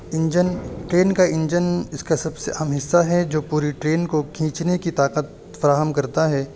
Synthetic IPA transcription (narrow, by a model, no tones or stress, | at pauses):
ɪ̃ɲd͡ʒənʈɾeːnkaɪ̃ɲd͡ʒənɪskasɐbseʔaːmɦɪsːaɦɛd͡ʒoːpuːɾiʈɾeːnkokʰĩːt͡ʃnekit̪aːqət̪̚ | fɐɾaːɦəmkɐɾt̪aɦɛː